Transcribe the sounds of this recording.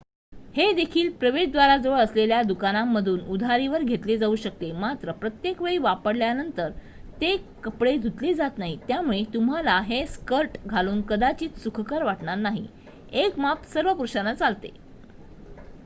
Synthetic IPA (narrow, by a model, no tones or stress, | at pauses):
hed̪ekʰiːlpɾəʋeʂd̪ʋaɾad͡zəʋəɭəsleljad̪ukanamːəd̪ʱuːnud̪ʱaɾiʋəɾɡʱet̪led͡zauːɕək̚t̪emat̪ɾəpɾət̪jekʋeɭiːʋapəɽljanənt̪əɾ | t̪ekəpɽed̪ʱut̪led͡zat̪naɦit̪jamuɭet̪um̤alaɦeskəɾʈɡʱaluːnkəd̪at͡ɕiːt͡ssukʰəkəɾʋaʈɳaɾnaɦḭ | ekmapsəɾʋəpuɾɕanat͡salt̪ḛ